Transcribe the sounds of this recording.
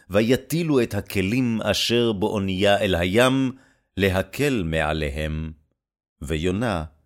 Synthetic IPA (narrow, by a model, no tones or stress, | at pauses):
vajat̪iluet̪hakʰelima̰ʃeʁbeʔonijaelɦajam | leɦakʰelmeʕa̰leɦe̞m | vejona